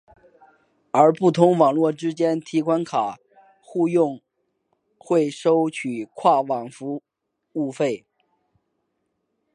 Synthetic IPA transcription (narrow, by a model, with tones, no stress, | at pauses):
ə˞˧˥pu˥˩t̪ʰʊ˧˥ŋwɑ˨˩ŋlwɔ˥˩ʈ͡ʂɻ̩˥t͡ɕjɛ˥nt̪ʰi˧˥kʰwa˥nkʰa˨˩ | xu˥˧jʊ˥˧ŋ | xwe˥˩ɪʂo˥ʊt͡ɕʰy˨˩kʰwa˥˩wɑ˨˩ŋfu˧˥ | u˥˧fe˥˩ɪ